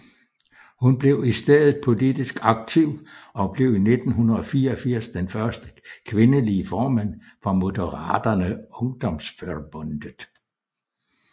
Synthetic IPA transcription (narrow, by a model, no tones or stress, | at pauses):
hunb̥le̝ʊisd̥eð̰ˠð̩ˠpʰo̝lid̥isɡ̥ɑ̈ɡ̥̚t͡sʰiʊ̰ɒ̽b̥le̝ʊine̝d̥n̩ɦunɐɒ̽fiːɐɒfiɐ̰sd̥enfɶɐsd̥əkʰʋe̝nəliːəfɒːmæn̰ | fʁɑ̈mo̝dəʁɑ̰̈ːd̥ɐnəɔ̽ŋd̥ɒ̽msføb̥ɔnd̥əðˠ